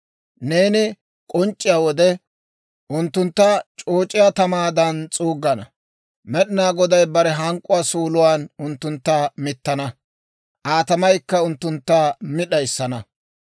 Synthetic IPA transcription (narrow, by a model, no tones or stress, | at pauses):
ne̞ːnɪ | kʼɔnt͡ʃʼːɪjaːwɔd̪ɛ | ʔʊnt̪ːʊnt̪ːɐt͡ʃʼoːt͡ʃʼɪjat̪ɐmaːd̪ɐnt͡sʼuːɡːɐnɐ | mɛɗɪnaːɡɔd̪ɐjbɐɾɛɦɐŋkʼːʊwaːsuːlʊwaːnʊnt̪ːʊnt̪ːɐmɪt̪ːɐnɐ | ʔaːt̪ɐmɐjkːɐʊnt̪ːʊnt̪ːamɪɗɐjɪsːɐnɐ